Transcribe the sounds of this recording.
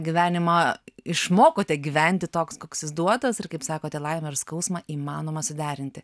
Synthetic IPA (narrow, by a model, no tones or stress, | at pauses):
ɡʲiʋʲæːnʲɪmɐɪʃmoːkoːt̪ʲɛɡʲiʋʲɛnʲt̪ʲɪt̪oːkskoːksɪzd̪uɔt̪ɐsɪrkɐɪpsɑːkoːt̪ʲɛlˠɐɪmʲɛɪɾskɐʊsmɐʔiːmɑːnoːmɐsʊd̪ʲæːɾʲɪnʲt̪ʲɪ